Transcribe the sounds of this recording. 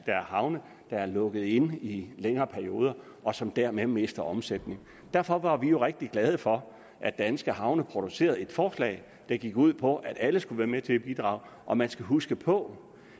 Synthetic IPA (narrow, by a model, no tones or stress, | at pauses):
d̥ɑæɐhɑ̈ʊnə | d̥ɑ̈æɐlɔ̽ɡ̥əð̞̩ˠe̝nileŋɐːpʰæɐio̝ːð̞ˠɐ | ɒ̽sɒ̽md̥æɐmeme̝sd̥ɐɒ̽msed̥ne̝ŋ | d̥æɐ̰fɒ̽ʋɑ̈ʋijo̝ʁeɡ̥̚d̥iɡ̥lɛð̞ˠəfɒ̽ | ʔæ̥ænsɡ̥əɦɑ̈ʊnəpʰʁo̝d̥use̝̰ːɐð̞̩ˠe̝d̥fɒːslɛ̰ɪ | d̥ɑ̈ɡ̥iɡ̥uð̞̰ˠpʰɒ̽ʔæɾ̥æləsɡ̥uʋæːɐmet͡sʰe̝lb̥id̥ʁɑ̰̈ʊʔɒ̽mænsɡ̥æɦusɡ̥əpʰɔ̽